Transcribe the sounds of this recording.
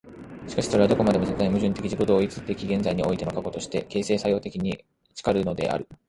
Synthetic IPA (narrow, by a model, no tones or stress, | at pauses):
ɕi̥kaɕi̥so̞ɾead̪o̞ko̞mad̪e̞mo̞zet̪ːaimɯ̟ʑɨ̃nt̪e̞kʲiʑikod̪o̞ːit͡sɨt̪e̞kʲiɡẽ̞nd͡zaiɲ̟io̞it̪e̞no̞kako̞t̪o̞ɕi̥t̪e̞ke̞ːse̞ːsajo̞ːt̪e̞kʲiɲ̟i | t͡ɕi̥kaɾɯ̟no̞d̪e̞̰ʔa̰ɾɯ̟